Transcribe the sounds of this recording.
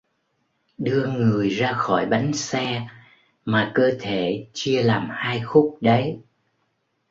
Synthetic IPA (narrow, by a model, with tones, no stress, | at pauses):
ɗɨ˧əŋɨ˨˩əjzaː˧xɔ˧˩jɓa˨˦jŋ̟sɛ˧ | maː˨˩kəː˧t̪ʰe˧˩˨t͡ɕi˧əlaː˨˩mhaː˧jxʊ˦˥k͡p̚ɗə˨˦j